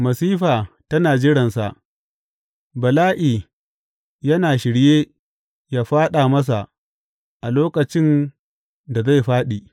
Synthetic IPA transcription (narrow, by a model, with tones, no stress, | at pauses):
mɐ˨siː˦ɸaː˨tɐ˦naː˨d͡ʒɪ˦ɽɐ˨nsa˨ʔ | bɐ˨laː˦ʔiː˨ | jɐ˦naː˨ʃɪ˨ɽjeː˦ | jaː˦ɸaː˦ɗaː˨mɐ˦s̬a˨ʔ | ʔa˨loː˦kɐ˨t͡ʃɪ˦n | da˨za˦jɸaː˦ɗiː˨